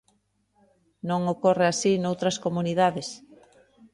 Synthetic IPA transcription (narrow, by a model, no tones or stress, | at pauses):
nõŋokoreasinowt̪ɾɐskomuniðaðes